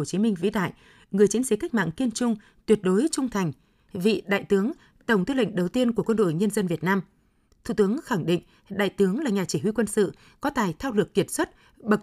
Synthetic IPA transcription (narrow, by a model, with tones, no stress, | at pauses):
t͡ɕi˨˦mï˧ŋ̟vḭ˧˥ɗa̰ː˧˨j | ŋɨ˨˩əjt͡ɕi˧˦ənsi˨˦ka˦˥k̚ma̰ː˧˨ŋki˧ənt͡ɕʊ˧ŋ͡m | t̪wət̚ɗo˨˦jt͡ɕʊ˧ŋ͡mt̪ʰa˨˩jŋ̟ | vḭ˧˨ɗa̰ː˧˨jt̪ɨ˨˦əŋ | t̪ə˧˩wŋ͡mt̪ɨ˧lwḛ˧˨ŋ̟ɗə˨˩wt̪i˧ənku˧˩əkwə˧nɗo̰˧˨jɲə˧nzə˧nvi˨˩ət̚naː˧m | t̪ʰu˧˩t̪ɨ˨˦əŋxa˧˩ŋɗḭ̈˧˨ŋ̟ | ɗa̰ː˧˨jt̪ɨ˨˦əŋlaː˨˩ɲaː˨˩t͡ɕi˧˩hwi˧kwə˧nsɨ̰˧˨ | kɔ˨˦t̪aː˨˩jt̪ʰaː˧wlɨ˨˩ək̚ːi˧˩ət̚swə˦˥t̚ | ɓə˨˩